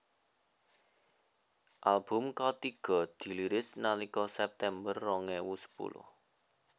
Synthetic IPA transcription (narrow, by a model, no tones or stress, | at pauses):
ʔalb̥ʊ̤mkɔt̪iɡ̥ɔ̤d̪̥i̤liɾɪsnalikɔsɛp̚t̪ɛmbərːɔŋɛwusə̥pṵlʊ̰h